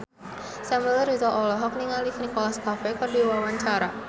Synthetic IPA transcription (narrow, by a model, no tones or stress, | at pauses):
sambəlɾit̪ɔʔɔlɔɦɔk̚niŋaliknikɔlaskafɛkərdiwawaɲt͡ʃaɾa